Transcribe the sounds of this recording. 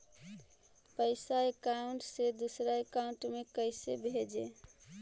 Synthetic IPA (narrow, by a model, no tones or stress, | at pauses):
pəɪsaekaʊ̃ɳʈsed̪usɾaekaũɳʈmekəɪsebʱed͡ʒe